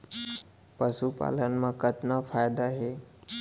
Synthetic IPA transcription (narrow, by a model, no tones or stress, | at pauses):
pəsupa̰lənmãkət̪nafajd̪aɦe